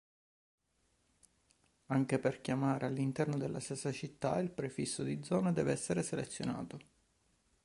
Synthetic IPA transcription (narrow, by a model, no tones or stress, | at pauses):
aŋk̟eperkjamaːɾʔealːint̪ɛrnod̪elːʔast̪esːat͡ʃit̪ːa̰ilpɾefisːod̪id̪zɔːnad̪ɛːveɛsːeɾeselet̪sːjona̰ːt̪o